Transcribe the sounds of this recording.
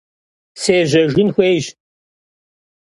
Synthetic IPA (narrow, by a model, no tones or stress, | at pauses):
seːʒɐʒɪnxʷejʒ